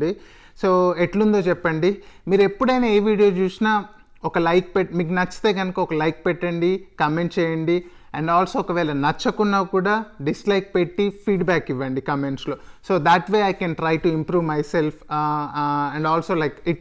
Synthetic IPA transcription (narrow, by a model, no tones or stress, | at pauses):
ɖi | soːeʈlund̪oːt͡ʃɛpːɐɳɖimiːɾue̞pːuɽɐjnɐːeːʋiːɽijo̞ːt͡ʃuːsina | ɔkɐlɐjk̚peʈ̚miːk̬nɐt͡ʃːi̥t̪e̞ːɡɐnɐkɐɔkɐlɐjk̚pɛʈːɐɳɖikɐmeɳʈt͡ʃɛːjɐɳɖi | ɐɳɖaːlsoːɔkɐʋɛːlɐnɐt͡ʃːɐkunːaːkuːɽaːɖislɐjk̚pe̞ʈːipʰiːɖbaːkiʋːɐɳɖikɐme̞ɳʈslo̞ːso̞ːd̪ɐʈʋeːɐjkɛnʈɾɐjʈuimpɾuːʋmɐjse̞lpʰ | ɐ̃ɳɖaːlso̞ːlɐjkiʈ